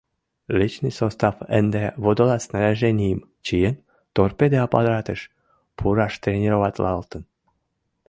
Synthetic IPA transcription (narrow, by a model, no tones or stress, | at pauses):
lʲit͡ʃnɨsost̪afə̰nd̪ɛvod̪olat̪snaɾʲaʒenʲijim | t͡ɕijən | t̪orpʲed̪eapa̰d̪ɾat̪əʃ | pʰuɾaʃt̪ɾenʲeɾovat̪ʲlʔɑlt̪ən